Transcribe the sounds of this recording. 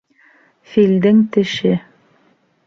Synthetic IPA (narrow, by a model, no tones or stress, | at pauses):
fild̪ɘŋt̪ɘ̆ʃɘ